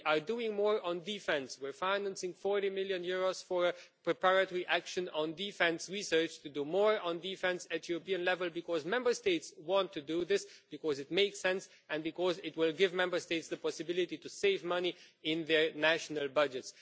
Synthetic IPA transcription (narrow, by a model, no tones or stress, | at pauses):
ʔaɹduɪ̃ŋmɔɹə̃ndifɛ̃nswɪɹfãɪnæ̃nsɪ̃ŋfɔɹɾimɪljɨ̃njʊɹoz̥fɔɹəpɹɨpaɹɨtɔɹiʔækʃɨ̃nə̃ndifɛ̃nsɹisɜ˞t͡ʃtudumɔɹə̃ndifɛ̃nsɨtjuɹopiɨ̃nlɛvəlˠbɨkɔzmɛ̃mbə˞steɪtswɑ̃ntʰːuduðɪsb̥ɨkɔzɨt̚meɪksɛ̃ns | ɨ̃nbɨkɔzɪt̚wɪlˠɡɪvmɛ̃mbə˞steɪtsðəpʰɔsɨbɪlɪtituseɪvmʌniɪ̃nðəɹnæʃnəlˠbʌd͡ʒɨts